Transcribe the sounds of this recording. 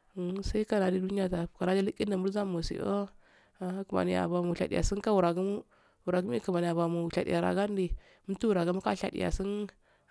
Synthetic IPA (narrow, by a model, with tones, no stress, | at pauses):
sa˦i˦ka˦ɾa˨di˦du˦ni˦ja˦ta˨ka˨ɾa˦d͡ʒi˦li˦kːi˦na˨mu˦ɾza˦mo˨sḭ˨ʔo̰˦ | a˨a˦ku˨ma̰˨ni˨ja̰˨ba˨mu˨ɬa̰˨dḭ˨ja̰˨si˦nka˦wu˨ɾa˨ɡu˦m˦ | u˨ɾa˨ɡi˦m˦i˦ku˨ma˨ni˨ja˨ba˨mu˨ɬa̰˨dḭ˨ja˨ɾa̰˨ɡa˦n˦di˨ | m̩˦tu˦wu˨ɾa˨ɡa˦mu˦ka˦˨ɬa̰˨dḭ˨ja̰˨si˦n